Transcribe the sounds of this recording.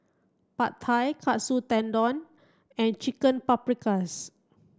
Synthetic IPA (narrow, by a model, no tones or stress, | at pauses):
pat̪ʰajkʰaʔsut̪ɛ̃ndɔ̃n | ɛ̃nt͡ʃikə̃npapɹikas